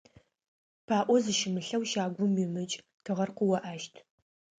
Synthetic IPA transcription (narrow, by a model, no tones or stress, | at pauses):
pʰaːʔʷɔzɨʃɪmɨɬɐwʃaːɡʷʊmimɨt͡ʃʼ | tʰɨʁɐrqʊwɐʔaːʃtʰ